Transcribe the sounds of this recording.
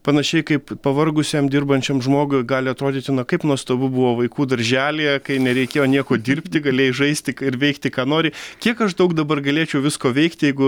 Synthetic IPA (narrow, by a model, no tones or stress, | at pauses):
pɐnɐʃʲɛɪkɐɪppɐʋɐrɡʊsʲeːmd̪ʲɪrbɐnʲt͡ʃʲɛmʒmoːɡʊɪɡɑːlʲɪɐt̪ɾoːd̪ʲiːt̪ʲɪnokɐɪpnuɔst̪ɐbʊbʊʋoːʋɐɪkuːd̪ɐɾʲʒʲæːlʲejɛkɐɪnʲɛɾʲɛɪkʲeːjoːnʲiɛkoːd̪ʲɪrʲpʲt̪ʲɪɡɐlʲeːjɪʒɐɪsʲt̪ʲɪkɪɾʋʲɛɪkt̪ʲɪkɑːnoːɾʲɪkʲiɛkɐʃd̪ɐʊkd̪ɐbɐrɡɐlʲeːt͡ʃʲɛʊʋʲɪskoːʋʲɛɪkt̪ʲjɛɪɡʊ